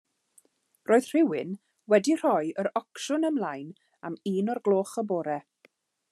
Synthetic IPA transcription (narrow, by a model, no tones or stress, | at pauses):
rʔoːɨð̥r̥ɪwɪn | wɛdir̥ɔjəɾɔkʃʊnəmlˠajn | amiːnɔrɡlˠoːχəboːɾɛ